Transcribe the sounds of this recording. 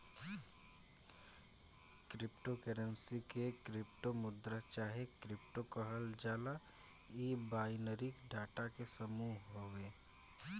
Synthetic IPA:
kɾɪpʈokɛɾənsikekɾɪpʈomʊd̪ɾət͡ʃaːɦekɾɪp̚ʈokəɦəld͡ʒaːla | iːbaːjnəɾɪkɖaːʈakesəmuːɦɦoːʋeː

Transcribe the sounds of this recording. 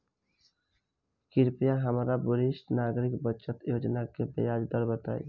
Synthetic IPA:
kiɾpijaɦəmɾabuɾiʃʈnaɡɾikbət͡ʃət̪jod͡ʒnakebḛjad͡ʒd̪əɾbət̪a̰ːj̰

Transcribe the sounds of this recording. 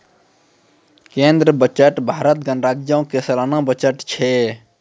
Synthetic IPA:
kẽnd̪ɾəbət͡ʃəʈbʱaɾət̪ɡənɾaɡjəũkesəlanabət͡ʃəʈt͡ʃʰɛ

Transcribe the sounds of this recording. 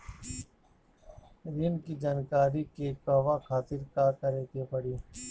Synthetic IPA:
ɾɪnkiːd͡ʒaːnkaːɾiːkeːkaːʋaːkʰaːt̪ɪɾkaːkəɾeːk̪eːpəɽiː

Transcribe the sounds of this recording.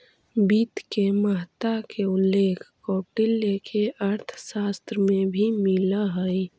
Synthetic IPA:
biːt̪keməɦt̪akʰeʊlːeːkʰkoːʈiljəkʰeʔɐɾt̪ʰsaːst̪ɾmẽbʱimɪlaɦəi

